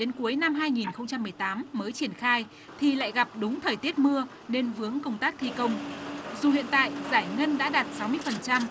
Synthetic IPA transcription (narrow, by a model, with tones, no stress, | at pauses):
ɗe˨˦nku˨˦əjna˧mɦaː˧jŋi˨˩nxə˧wŋ͡mt͡ɕa˧mːɨ˨˩əjt̪aː˨˦mːəː˨˦jt͡ɕi˧˩ənxaː˧j | t̪ʰi˨˩la̰ː˧˨jɣa˨˩p̚ɗʊ˨˦ŋ͡mt̪ʰəː˨˩jt̪i˦˥ət̚mɨ˧ə | ne˧nvɨ˨˦əŋkə˧wŋ͡mt̪aː˦˥k̚t̪ʰi˧kə˧wŋ͡mzu˨˩hḭ˧˨ənt̪a̰ː˧˨jzaː˧˩jŋə˧nɗa̰ː˧˥ɗaː˨˩t̚sa˨˦wmɨ˧əjfə˨˩nt͡ɕa˧m